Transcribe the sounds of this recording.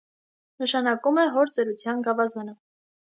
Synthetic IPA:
nəʃɑnɑkumɛɦɔɾt͡sɛɾut͡sʰjɑnɡɑvɑzənə

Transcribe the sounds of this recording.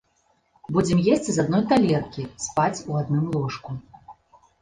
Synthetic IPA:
bud͡zʲɛmjesʲt͡sʲizad̪nɔjt̪alʲɛrkʲispat͡sʲuad̪nɨmlˠɔʂku

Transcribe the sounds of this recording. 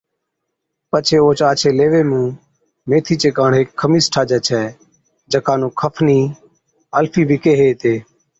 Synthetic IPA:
pət͡ʃʰeːoːt͡ʃaːt͡ʃʰeːleːʋeːmũː | meːt̪ʰiːt͡ʃeːkaːɳ̤eːkʰːəmiːsʈʰaːd͡ʒɛːt͡ʃʰɛː | d͡ʒəkaːnũːkʰəpʰniː | əlpʰiːbɪkeːɦeːt̪eː

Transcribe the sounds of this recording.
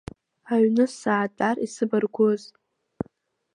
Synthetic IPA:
aɥnɨsaːtʼarisɨbɨrɡʷʊz

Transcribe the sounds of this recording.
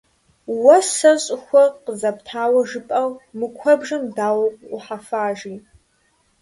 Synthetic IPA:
wɐsɐɕʼɪxʷɔqəzɐp̚tʰaːwɐʒɨpʼɐwmɨkʷʰɔbʒɐmdaːwɐqʷʼʊħafaːʒiː

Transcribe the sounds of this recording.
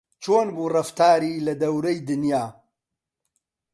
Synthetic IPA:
t͡ʃʰoːnbuːrɐft̪aːɾiːlɐd̪ɐwɾɐjd̪ɨnjaː

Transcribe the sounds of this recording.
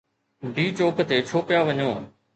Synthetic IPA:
ɖʱiːt͡ɕoːkət̪et͡ɕʰoːpɪjaʋɐɲoː

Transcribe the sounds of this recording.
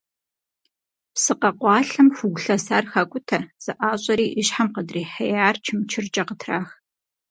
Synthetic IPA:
psɨqɐqʷɑːɬɐmxʷʊɡʷʊɬɐsaːrxɐkʷʼʊtʰɐz̥ɨʔaːɕʼɐɾiːʔɪɕħamqədriːħɐjaːrt͡ʃʰɪmt͡ʃʰɪrd͡ʒʼɐqətʰraːx

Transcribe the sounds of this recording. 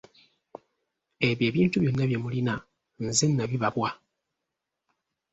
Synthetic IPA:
e̞βje̞ːβiːntuβjo̞nːaβjemulina | nzenːaβiβaβwa

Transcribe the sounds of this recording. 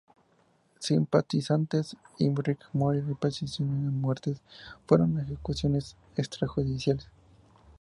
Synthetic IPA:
simpat̪isant̪esimbɾikmoɾiɾipasisjoneðemwe̞ɾt̪esfwe̞ɾo̞nexekusjo̞nes | ekst̪ɾaxuðisjales

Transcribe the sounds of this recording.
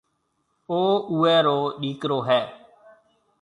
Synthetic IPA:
oːuːɛːɾoːɗiːkɾoːɦɛː

